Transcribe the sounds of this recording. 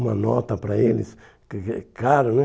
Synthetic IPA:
mɐ̰nɔt̪ɐpɾɐelɪ̰s | kklaɾʊnɛ

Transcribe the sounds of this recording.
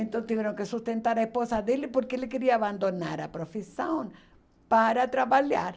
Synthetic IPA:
ẽnt̪õw̃t̪ivɛɾõŋkɪsust̪ẽnt̪aɾaesposɐd̪elɪpoɾkɪelɪkeɾiɐaːβãnd̪ona̰ɾɐpɾofisɐ̃w̃ | paɾɐt̪ɾaβaʎa̰ɾ

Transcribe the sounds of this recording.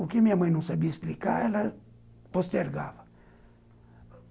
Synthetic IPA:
ʊkɪmĩɐmɐ̃j̃nɐ̃w̃sabiɐesplika̰ɛlɐ | post̪eɾɡa̰vɐ

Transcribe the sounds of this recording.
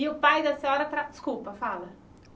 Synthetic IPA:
iʊpajd̪ɐseɔɾɐt̪ɾad̪ɪ̥skulpɐfalɐ

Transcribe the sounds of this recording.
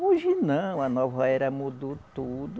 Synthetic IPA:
uʒinɐ̃w̃ɐnɔvaɛɾɐmud̪ot̪ud̪ʊ

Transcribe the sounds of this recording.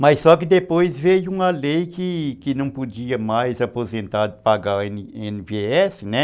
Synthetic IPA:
mɐjssɔkɪd̪epojzvejʊũɐlejkɪkɪnɐ̃w̃pod͡ʒiɐmajzapozẽnt̪aɾd̪ɪpaɡaenẽnɪbeɛsɪnɛ

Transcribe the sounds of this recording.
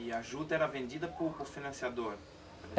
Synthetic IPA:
aʒud̪ɐɛɾɐvẽnd͡ʒ̪id̪ɐpʊɾʊfinɐ̃siad̪oɾ

